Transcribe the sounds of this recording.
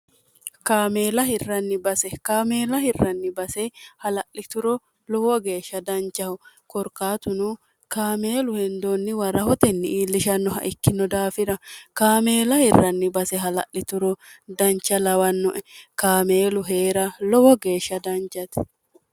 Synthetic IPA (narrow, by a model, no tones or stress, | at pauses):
kaːme̞ːlɐɦɪrːɐnːɪbɐsɛkaːmeːlɐhɪrːɐnːɪbɐsɛhɐlɐʔlɪt̪ʊɾɔ | lɔwɔɡe̞ːʃːɐd̪ɐnt͡ʃːɐhɔ | kɔɾkaːt̪ʊnu | kaːmeːlʊhɛnd̪onːɪwɐɾɐhɔt̪ɛnːɪiːlːɪʃɐnːɔɦɐ̰ʔɪkːɪnɔd̪aːfɪɾɐkaːmeːlɐhɪrːɐnːɪbɐsɛɦɐlɐ̰ʔlɪt̪ʊɾɔd̪ɐnt͡ʃːɐlɐwɐnːɔʔɛkaːmeːlʊɦe̞ːɾɐlɔwɔɡe̞ːʃːɐd̪ɐnt͡ʃːɐt̪ɛ̥